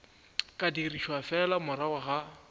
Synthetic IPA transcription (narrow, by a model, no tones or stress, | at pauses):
kʼadiriʃwafɛlamʊɾawaɣa